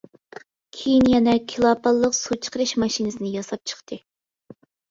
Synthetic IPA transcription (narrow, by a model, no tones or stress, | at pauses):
kʲʰejinjɛnɛkʲʰilˠɑpʰɑlˠːəqsut͡ʃʰə̥qəɾɨʃmɑʃinɨsɨnɪjɑsɑp̚t͡ʃʰə̥χt̪ʰɨ